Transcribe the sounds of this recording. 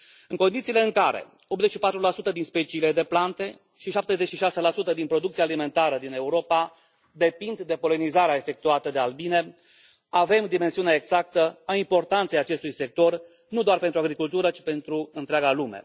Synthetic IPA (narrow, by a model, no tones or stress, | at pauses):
ɨŋko̞nd̪it̪siːle̞ɨŋkaɾe̞̰ | o̞p̚ze̞t͡ʃʃipat̪ɾulasut̪əd̪inspe̞t͡ʃiːle̞d̪e̞plant̪e̞ | ʃiʃap̚t̪e̞zet͡ʃʃiʃaselasut̪əd̪inpɾo̞d̪ukt̪sijaːlime̞nt̪aɾəd̪ine̞uɾo̞pa | d̪e̞pind̪d̪e̞po̞lenizaɾeaefe̞k̚t̪uat̪əd̪e̞albine̞ | ave̞md̪ime̞nsiuneeɡz̥ak̚t̪əaimpo̞rt̪ant̪sejat͡ʃe̞st̪ujse̞k̚t̪o̞r | nud̪oarpent̪ɾuaɡɾikult̪uɾət͡ʃi̥pe̞nt̪ɾuɨnt̪ɾeaɡalume̞̰